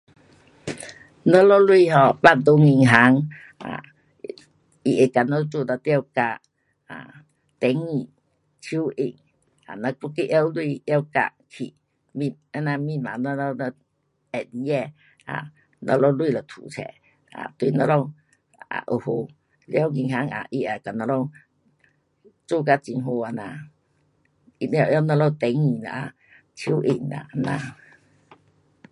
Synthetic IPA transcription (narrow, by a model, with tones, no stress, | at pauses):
nɔ˧˦lɔ˦˧lwi˥˧˨ɦɔ˨˧pa˥˧˨nt̪o˧˦ŋi˧˩ŋɦa˨˦ŋ | a̰˨ | i˨˩ʔe˨ka˨nɔ˧˦˧t͡su˧˨na˧t̪a˧wka˧ʔ | a˨ | t̪ɛ˨˦ŋi˨˩ | t͡ɕʰu˦ʔi˧˩ŋ | a̰˨na˧ku˧˦ki˦˧ʔja˧wlwi˧ja˦wka̰˧kʰḭ˨ | mi˧a˧˦na˧mĩ˧˨ma˨nɔ˧lɔ˧nɔ˧ | ɛ˨di˧˦ɛ˧ | a̰˨˩ | nɔ̰˧lɔ˧lwi˥˧˨lɔ˨˩t̪ʰṵ˨t͡sʰɛ̰˧˨ | a̰˨t̪wi˧˨nɔ̃˧lɔ˧ŋ | a̰˨ʔo˨ho˧ | lja˦˨˧ɡi˧ŋɦa˧˦ŋa̰˨ʔi˧ʔa˨ka˨nɔ̃˧lɔ˦˧˨ŋ | t͡so˥˧˨ka˧˨t͡si˧ŋɦo˧a˨˧na˧ | i˧˨n˧a˧ja˦˧wnɔ̃˧lɔ˧˨t̪ɛ˨˦ŋi˨la̰˨ʔa˨ | tʰju˦ʔi˧˩ŋna̰˨ʔa˧nã˧˨